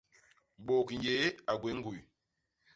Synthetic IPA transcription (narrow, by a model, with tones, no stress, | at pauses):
ɓo˨kn˨je˦a˨ɡwe˨˦ŋ̩˦ɡu˨j